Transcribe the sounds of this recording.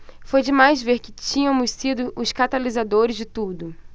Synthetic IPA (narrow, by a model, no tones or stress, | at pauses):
fojd͡ʒɪmajzveɾkɪ̥t͡ʃĩɲɐ̃mʊssid̪ʊʔʊskat̪alizad̪oɾɪzd͡ʒɪt̪ud̪ʊ